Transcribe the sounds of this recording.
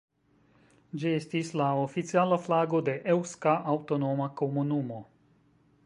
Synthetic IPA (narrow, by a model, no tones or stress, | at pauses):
d͡ʒiestislao̞fit͡sialaflaɡo̞de̞ʔewskaʔawto̞no̞mako̞munumo̞